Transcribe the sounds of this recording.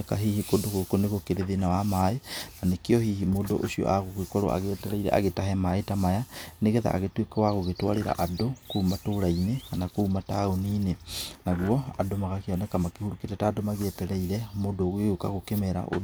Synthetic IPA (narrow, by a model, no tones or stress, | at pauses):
ɛkaɦihikodoɣokoneɣokeɾeðenawamaenanekeɔhihimodoʔosiɔ̰ʔaɣokwekɔɾo̰ʔa̰ɣɛːtɛɾɛiɾɛ̰ʔa̰ɣetaɦɛmaetamajaneɣɛða̰ʔa̰ɣetwekawaɣoɣetwaɾeɾa̰ʔadokoumatoɾainekanakoːmataoniːnenaɣuɔa̰domaɣakeɔnɛkamakehuɾuketɛtaːdomaɣɛtɛɾɛiɾɛmodoːɣeokaɣokemɛɾa̰ʔo̰d